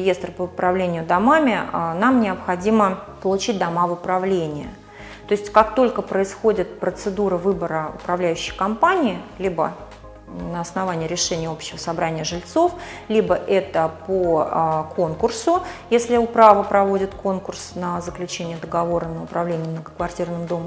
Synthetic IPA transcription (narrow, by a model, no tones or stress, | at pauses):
ɪjest̪rpəʊpɾɐvlʲenʲɪjʊd̪amamʲɪənamnʲɪəpxɐdʲiməpəlˠʊt͡ɕit̚ʲd̪ɐmavʊpɾɐvlʲenʲɪjə | t̪o̞ɪsʲtʲkakt̪o̞lʲkəpɾəɪsxo̞dʲɪt̪̚pɾət̪sɨd̪uɾɨvɨbəɾəʊ̰pɾɐvlʲæjʉɕːɪ̥jkɐmpanʲɪːlʲibə̰ | nəɐsnɐvanʲɪːɾʲɪʂɛnʲɪjəo̞pɕːɪvəsɐbɾanʲɪjəʐɨlʲt̪so̞flʲibəʔɛt̪əpokʰo̞nkʊrsʊjesʲlʲɪʊpɾavəpɾɐvo̞dʲɪt̪ko̞nkʊrsnəzəklʲʉt͡ɕenʲɪjəd̪əɡɐvo̞ɾənəʊpɾɐvlʲenʲɪjəmnəɡəkvɐrtʲirnɨmd̪o̞m